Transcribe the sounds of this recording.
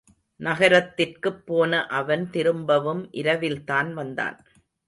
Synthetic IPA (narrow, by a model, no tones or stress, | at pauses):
nɐɣɐɾɐt̪ːɪrkɯpːoːnɐʔɐʋɐnt̪ɪɾɯmbɐʋɯmʔɪɾɐʋɪlt̪aːnʋɐnd̪a̰ːn